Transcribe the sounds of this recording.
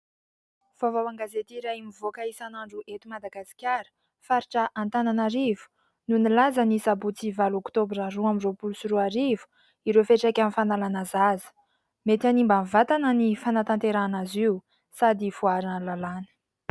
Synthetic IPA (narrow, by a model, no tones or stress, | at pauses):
v̥avawaŋɡazet̪iɾaimivokaisanaɳɖ͡ʐuʔet̪umad̪aɡasi̥kʲaɾə̥ | faɾiʈ͡ʂəʔant̪ananaɾivu̥ | nunilazanisabut͡sivalokt̪obɾaɾuamizopulsuɾuaɾivu̥ | iɾefeʈ͡ʂakʲamifanalanazazə̥ | met̪animbanvat̪anənifanat̪ant̪eɾanaziu | sad̪ifuaɾalalanə̥